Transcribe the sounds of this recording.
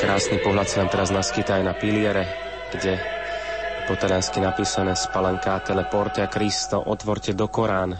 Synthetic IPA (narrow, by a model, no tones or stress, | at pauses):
kɾaːsnipɔɦlat̪sanamt̪ɛɾaznaskit̪aːjnapilɪɛɾɛ | ɡ̥ɟɛ | pɔt̪ɛɾanskinapiːsanɛspalɛɲkaːt̪ɛlɛpɔɾt̪ɛakɾist̪ɔʔɔt̪ʋɔɾcɛd̪ɔkɔɾaːn